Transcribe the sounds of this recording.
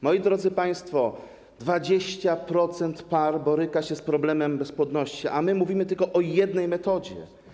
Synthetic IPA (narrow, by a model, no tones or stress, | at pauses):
mɔjid̪ɾɔd̪zɘpaj̃st̪fɔ | d̪vad͡ʑeɕt͡ɕapɾɔt̪sɛnt̪paɾbɔɾɘkaɕɛspɾɔblɛmɛmbɛspwɔd̪nɔɕt͡ɕiʔamɘmuvʲimɘt̪ɘlkɔʔɔjɛd̪nɛjmɛt̪ɔd͡ʑɛ̰